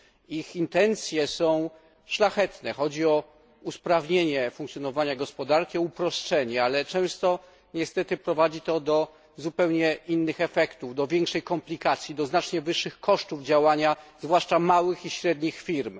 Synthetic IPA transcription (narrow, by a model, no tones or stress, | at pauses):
ixint̪ɛnt̪sʲjɛsɔ̃w̃ | ʂlaxɛt̪nɛxɔd͡ʑiɔ | uspɾavɲeɲɛfuŋkt̪sʲjɔnɔvaɲaɡɔspɔd̪aɾkʲiɔupɾɔʂtt͡ʂɛɲɛalɛt͡ʂɛ̃w̃st̪ɔ | ɲɛst̪ɛt̪ɘpɾɔvad͡ʑit̪ɔd̪ɔ | zupɛwɲɛʔinːɘxɛfɛkt̪uvd̪ɔvʲjɛŋkʂɛjkɔmplʲikat̪sʲjid̪ɔznat͡ʂɲɛvɘʂːɘxkɔʂt̪uvd͡ʑawaɲazvwaʂt͡ʂamawɘxiɕɾɛd̪ɲixfʲiɾm